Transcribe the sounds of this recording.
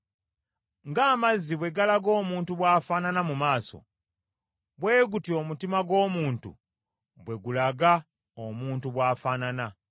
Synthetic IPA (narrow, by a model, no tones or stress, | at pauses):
ŋɡaːmazːiβwe̞ɡalaɡo̞ːmuːntuβwaːfananamumaːso̞̰ | βwe̞ːɡutjo̞ːmutimaɡo̞ːmuːntṵ | βwe̞ɡulaɡa | omuːntuβwaːfaːnana